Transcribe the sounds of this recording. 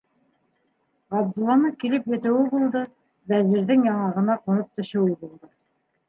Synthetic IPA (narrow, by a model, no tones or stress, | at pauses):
ɑbd̪ɤ̆lˠːɑnɤkilɘpjɘ̆t̪ɘ̆wɘbulˠd̪ɤ | bæzɘ̆ɾðɘŋjɑɴɑʁɤ̆nɑqunɤp̚t̪ɵ̆ʃɘ̆wɘbulˠd̪ɤ